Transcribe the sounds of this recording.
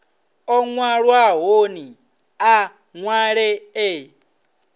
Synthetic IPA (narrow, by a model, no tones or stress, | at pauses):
ɔŋwaɺwaɦoni | a | ŋwaɺee